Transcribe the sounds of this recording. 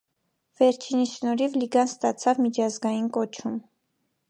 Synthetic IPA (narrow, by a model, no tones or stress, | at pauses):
vɛɾt͡ʃʰiniʃnɔɾivliɡɑnst̪ɑt͡sʰɑvmit͡ʃʰɑzɡɑjinkɔt͡ʃʰum